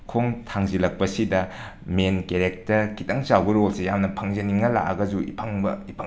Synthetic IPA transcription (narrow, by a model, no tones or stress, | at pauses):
kʰoŋtʰaŋzilɐk̚pɐsidɐ | menkeɾek̚tɐɾkʰitʰɐŋsawbɐɾolsejamnɐpʰɐŋzɐniŋːɐla̰ʔɐɡɐzuḭpʰɐŋbɐipʰ